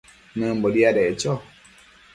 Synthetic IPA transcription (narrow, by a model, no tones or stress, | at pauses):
nə̃mbɔdiadɛt͡ʃɔ